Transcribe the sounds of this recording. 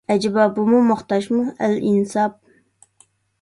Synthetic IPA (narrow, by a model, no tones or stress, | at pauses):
ɛd͡ʒɪbɑbumumʊχt̪ɑʃmuælinɨsɑp̚